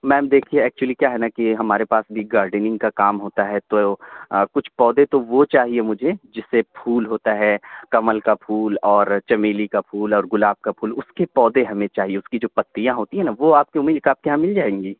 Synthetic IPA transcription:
mɛ̃ːmd̪eːkʰieɛːk̚t͡ʃuwəlikjaːɦɛnakiɦɐmaːɾepaːsbʱiɡaːɾɖənɪ̃ŋɡkakaːmɦoːt̪aɦɛt̪okʊt͡ʃʰpɔːd̪et̪oʋot͡ʃaːɦiemʊd͡ʒʱed͡ʒɪsːepʰuːlɦoːt̪aɦɛːkɐməlkapʰuːlɔːɾt͡ʃɐmeːlikapʰuːlɔːɾɡʊlaːb̚kapʰuːlʊskepɔːd̪eɦɐmẽt͡ʃaːɦieʊskid͡ʒoːpɐt̪ːijãɦoːt̪iɦɛ̃naʋoaːp̚keʊmːiːd̪̚kaːp̚keɦãmɪld͡ʒaːẽːŋɡiː

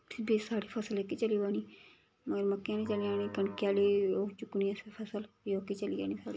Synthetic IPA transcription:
pʰbiːsaːɽiːpʰəsəlɛːkeːt͡ʃəliːbaːniː | məɡəɾməkːjãːneːt͡ʃəlijaːniːkəɳkjaːleːoːt͡ʃʊkːniːəsepʰəsəl | joːkeːt͡ʃəliːa̰ːniːsaːɽiː

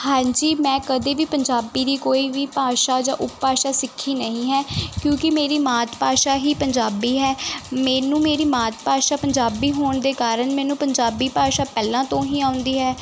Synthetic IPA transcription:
hãːɲd͡ʒiːmɛ̃ːkəd̪eːʋiːpəɲd͡ʒaːbiːd̪iːkoːiːʋiːpaːʃaːd͡ʒãːʔʊppaːʃaːsɪkʰːiːnəɦĩːɦɛːkjõːkɪmeːɾiːmaːt̪paːʃaːɦiːpəɲd͡ʒaːbiːɦɛːmɛ̃ːnũːmeːɾiːmaːt̪paːʃaːpəɲd͡ʒaːbiːɦoːɳd̪eːkaːɾəɳmɛ̃ːnũːpəɲd͡ʒaːbiːpaːʃaːpɛːlãːt̪õːɦiːaːʊ̃nd̪iːɦɛː

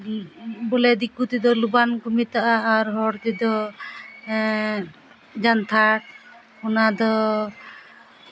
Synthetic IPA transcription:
bɔlɛd̪ikːut̪id̪ɔlubankumit̪aʔaːɾɦɔɽt̪id̪ɔ | d͡ʒant̪ʰaʈ̚ | hunad̪ɔ

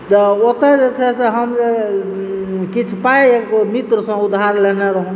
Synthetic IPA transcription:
t̪əot̪əd͡ʒet͡ʃʰesẽɦəmd͡ʒe | kit͡ʃʰpajekmit̪ɾəsə̃ud̪ʱɦaɾleneɾəɦũ

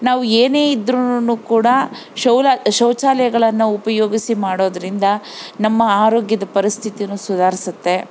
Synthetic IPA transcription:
naːʋueːne̞ːid̪ɾunukuːɽɐ | ʃɐwlʃɐwt͡ʃaːlɐjɐɡɐɭɐnːɐupɐjoːɡisimaːɽo̞ːd̪ɐɾind̪ɐnɐmːɐaːɾo̞ːɡjɐd̪ɐpɐɾist̪ʰit̪ijnusud̪ʱaːɾisut̪ːe̞

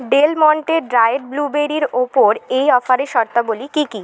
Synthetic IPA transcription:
ɖelmɔɳʈeɾɖɾaeeʈ̚blubeɾiɾopoɾejɔfaɾeʃɔɾt̪abolikiki

